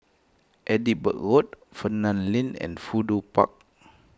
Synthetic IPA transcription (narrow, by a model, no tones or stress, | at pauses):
ʔɛdiʔ̚bə̰ʔɣɔt̚fənãnlĩnɛ̰̃nfudupa̰k̚